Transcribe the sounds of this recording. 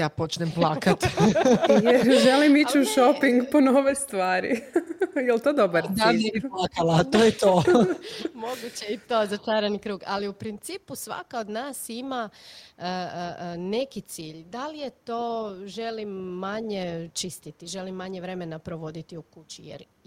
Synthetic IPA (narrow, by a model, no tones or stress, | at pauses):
jaːpo̞t͡ʃnemplˠaːkat̪i | jeʒelimit͡ɕuʃopiŋɡponoʋest̪ʋaːɾḭjelt̪oːd̪obaɾd̪anebiplaːkalaːt̪oːjet̪oː | mo̞ɡut͡ɕeit̪o̞ːzat͡ʃaːɾanikɾuːɡa̰liupɾint̪siːpusʋa̰kaod̪naːsimaə | ne̞kit̪siːʎd̪alije̞t̪o̞ːʒe̞limːaɲet͡ʃist̪it̪iʒe̞limːaɲeʋɾe̞me̞napɾoʋo̞d̪it̪iukut͡ɕijḛɾ